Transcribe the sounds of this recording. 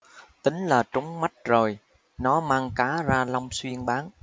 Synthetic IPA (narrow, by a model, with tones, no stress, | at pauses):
t̪ï˨˦ŋ̟laː˨˩t͡ɕʊ˨˦ŋ͡mma˦˥jt̚zo˨˩j | nɔ˨˦maː˧ŋkaː˨˦zaː˧la˧wŋ͡mswi˧ənɓaː˨˦n